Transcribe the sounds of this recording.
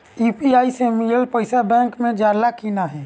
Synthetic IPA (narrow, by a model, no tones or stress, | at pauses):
iːpiaːisemijəlpəɪsabɛ̃ːŋkmẽd͡ʒaːɾlakiːnaɦɛː